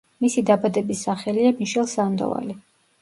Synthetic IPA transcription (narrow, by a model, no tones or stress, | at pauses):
misid̪abad̪ɛbisːaχɛliamiʃɛlˠsamd̪ɔ̰va̰li